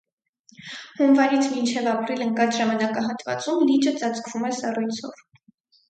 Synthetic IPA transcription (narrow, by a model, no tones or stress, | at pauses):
hunvɑɾit͡sʰmint͡ʃʰɛvɑpɾiləŋkɑt͡sʰʒɑmɑnɑkɑɦɑt̪vɑ̰t͡sumlit͡ʃət͡sɑt͡sʰkvumɛsɑrujt͡sʰɔ̰v